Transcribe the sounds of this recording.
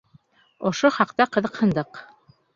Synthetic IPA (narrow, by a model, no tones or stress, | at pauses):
ŏʃoχɑqt̪ɑqɤ̆ðɤ̆qhɤ̆nd̪ɤq